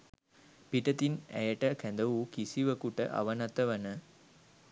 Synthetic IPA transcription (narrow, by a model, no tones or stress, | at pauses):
piʈət̪inæ̰jəʈəkænd̪əʋukisiʋəkuʈə̰ʔa̰ʋɐnat̪ɐʋɐnə